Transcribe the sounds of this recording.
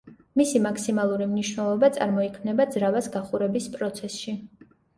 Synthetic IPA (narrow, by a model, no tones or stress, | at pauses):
misimakʰsimalˠuɾimniʃwnɛlˠɔbat̪sʼa̰ɾmɔikʰmnɛbad̪zɾavasɡaχuɾɛbispʼɾɔt̪sʰɛsʃi